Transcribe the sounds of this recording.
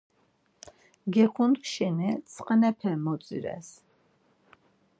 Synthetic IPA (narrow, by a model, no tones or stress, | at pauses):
ɡɛχʰunkʃɛnɛt͡sʰʼqʼənɛpʰɛmɔt͡sʼḭɾɛ̰s